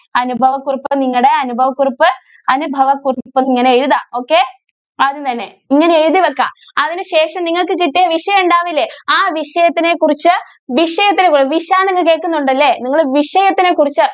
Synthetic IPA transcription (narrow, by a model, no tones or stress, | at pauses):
ɐnubʱɐʋɐkːuripːɨniŋːɐɭɽeɐnubʱɐʋɐkːuripːɨ | ɐnubʱɐʋɐkurpːɨniŋːɐneeɻuðaːo̞ːkːe̞ | ɐðunt̪ɐnːe̞ | iŋːɐneeɻuðiʋekːa̰ː | ɐðinɨɕe̞ːʂɐmniŋːɐɭkɨkiʈːieʋiʂɐjɳɖaːʋilːeaːʋiʂɐjɐt̪ːine̞kurit͡ɕːɨ | ʋiʂɐjɐt̪ːinekːurʋiʂɐjaːniŋːɐɭke̞ːkːunːuɳɖɐlːe̞niŋːɐɭʋiʂɐjɐt̪ːine̞kurit͡ɕːɨ